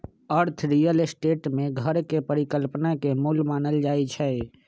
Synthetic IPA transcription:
əɾt̪ʰɾiːjəlsʈeːʈmẽɡʱəɾkepəɾikəlpnakemulmaːnəld͡ʒaːit͡ʃʰɛ

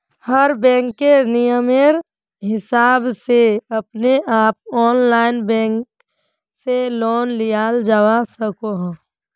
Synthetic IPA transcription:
həɾbɛ̃ːŋkːenijəmeɾ | ɦɪsaːbseɐpneʔaːp̚ɔːnlaːɪnbɛ̃ːŋk | seloːnlijaːld͡ʒawasəkoɦː

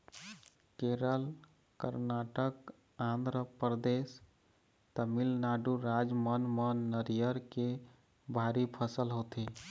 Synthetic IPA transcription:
keɾəl | kə̰ɾnaʈək | ãnd̪ɾəpɾəd̪es | t̪əmilnaɖuɾad͡ʒmənmənːəɾijəɾke | bʱaɾipʰəsəlɦot̪i

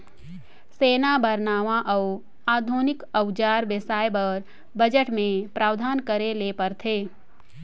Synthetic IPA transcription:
seːnabəɾnaːʋãʔəʊ | aːd̪ʱuːnɪkəwd͡ʒaːɾbesaːjbəɾ | bəd͡ʒəʈmẽpɾaːʋd̪ʱaːnkəɾelepəɾt̪ʰeː

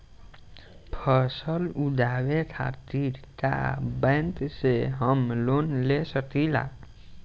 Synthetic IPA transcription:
pʰəsəlud͡ʒawet̪ʰa̰ʈiɽʈa̰bəjnt̪seɦəmlonlesəkila̰

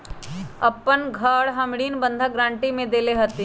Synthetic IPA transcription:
ɐpːənɡʱəːɽɦɐmɽiːnbə̃nd̪ʱaɡɾãːɳʈimẽd̪eːleɦət̪e

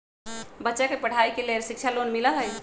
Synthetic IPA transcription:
bətːʃakepəɽ̤aikeleɾsik̚t͡ʃʰalonmiləɦəj

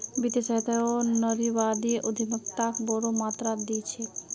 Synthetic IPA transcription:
bit̪eseɦt̪aonəɾibad̪iʔod̪ʱimokt̪akbɔɾomat̪ɾad̪it͡ʃʰe

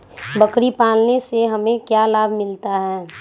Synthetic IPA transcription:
bɐkɾipaːlneseɦɐmẽkjaːlaːbʱmɪlt̪aɦɛː

